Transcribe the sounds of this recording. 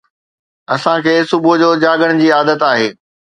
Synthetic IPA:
ɐsãkʰeːsʊbʱʊd͡ʑoːd͡ʑaːɡəɽ̃d͡ʑiːaːd̪ət̪aːɦeː

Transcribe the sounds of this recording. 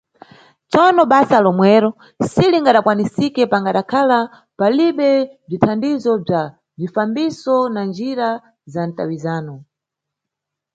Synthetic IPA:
t͡sɔnɔɓasalɔmwɛːɾɔ | siliŋɡaɗakwanisikɛpaŋɡaɗakʰala | paliɓɛb͡ʐitʰandizɔb͡ʐa | b͡ʐifambisɔnand͡ʒiɾa | zanta̰wizaːnɔ

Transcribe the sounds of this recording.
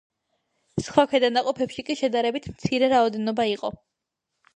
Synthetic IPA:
sχwakʰɛd̪anaqʼɔpʰɛpʃikʼiʃɛd̪aɾɛbit̪ʰmt̪sʰiɾɛɾaɔd̪ɛnɔbaiqʼɔ

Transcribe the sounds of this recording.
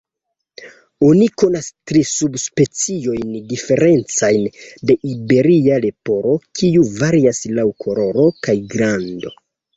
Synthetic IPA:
o̞niko̞nastɾisubspe̞t͡sio̞jndife̞ɾe̞nt͡sajnde̞ʔibe̞ɾiale̞po̞ɾo̞kʰiuvaɾiaslawkʰo̞ɾo̞ɾo̞kajɡɾando̞

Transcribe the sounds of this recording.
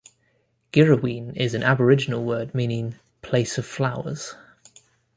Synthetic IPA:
ɡ̥ɛɹəwĩːnɪzə̃nʔabəɹɪd͡ʒɪnəlˠwɜːd̚mĩːnɪ̃ŋ | pʰl̥eɪsəv̥flaʊə̰z̥

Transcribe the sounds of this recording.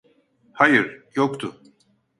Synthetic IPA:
hajɯɾjokt̪ʰʊ

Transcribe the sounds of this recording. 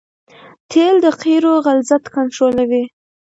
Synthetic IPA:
t̪ʰeld̪əqiɾoɣalzat̪kanʈɾolawi

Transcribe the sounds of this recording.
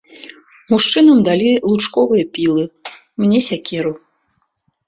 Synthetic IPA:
muʂt͡ʂɨnɐmd̪alʲilˠut͡ʂkɔvɨjɐpʲilˠɨ | mnʲɛsʲakʲɛɾu

